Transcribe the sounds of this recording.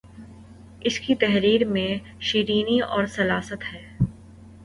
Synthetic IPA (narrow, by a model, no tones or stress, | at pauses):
ɪskit̪ɛɦɾiːɾmẽ | ʃiːɾiːniɔːɾsɐlaːsət̪hɛː